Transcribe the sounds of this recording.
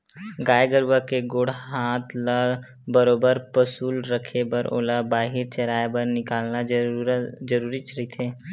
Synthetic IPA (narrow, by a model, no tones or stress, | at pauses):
ɡaːeɡəɾbakeɡoːɽɦaːt̪ʰlaɡ | bəɾoːbəɾpəsuːlɾəkʰebəɾʔo̰ːlabaːɦɪɾt͡ʃəɾaːebəɾnɪkaːlna | d͡ʒəɾuːɾit͡ʃɾit̪ʰeː